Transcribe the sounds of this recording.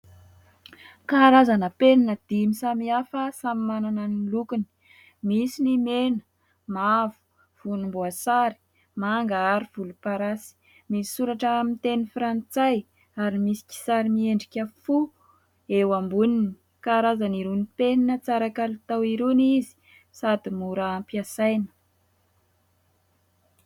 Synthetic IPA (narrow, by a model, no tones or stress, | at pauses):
kaɾazanəpeninəd̪̥imisamiafəsamimanananilukuni̥ | misinimenə̥ | mavu̥ | v̥unumbuasaɾi̥ | maŋɡaaɾiv̥ulupaɾasi̥ | misi̥suɾaʈ͡ʂəːmint̪enifɾant͡saj | aɾimisi̥kʲi̥saɾimieɳɖ͡ʐikʲəfu | ewambunini̥ | kaɾazaniɾunipeninət͡saɾakalit̪awiɾunizi̥ | sad̪imuɾaampiasajnə̥